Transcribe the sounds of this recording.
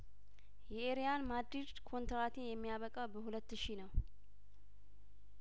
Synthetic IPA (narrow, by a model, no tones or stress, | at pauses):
jɛeɾijanmad̪ɾid͡ʒkʰo̞nt̪ɾat̪ʰejɛmːijaβəkʼawbəhulət̪ːɨʃinəw